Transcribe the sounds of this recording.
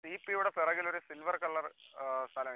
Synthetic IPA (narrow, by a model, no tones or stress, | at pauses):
siːpːijuːɽepirɐŋɡilo̞ɾusilʋɐrkɐɭːɐrst̪ʰalɐŋː